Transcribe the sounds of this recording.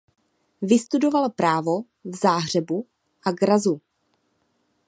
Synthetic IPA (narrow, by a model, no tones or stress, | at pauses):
vɪst̪udo̞valopɾaːvo | vzaːɦr̝ɛbu | ʔaɡɾazu